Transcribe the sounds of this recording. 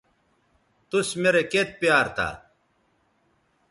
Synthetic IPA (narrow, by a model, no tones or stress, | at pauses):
t̪usmeɾeket̪̚pjaːɾt̪a̰ː